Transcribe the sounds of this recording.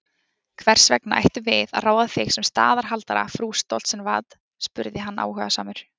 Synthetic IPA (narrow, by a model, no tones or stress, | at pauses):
kʰvɛr̥svɛknaʔa̰jht̪ʏvɪða̰ðraːwðaθɪɣsɛmst̪a̰ːðaɾ̥ɦalt̪aɾa̰fɾuːst̪owl̥t̪sɛnvaːt̪ | spʏɾðɪɦanːa̰ːwɦœːɣasaːmʏɾ̥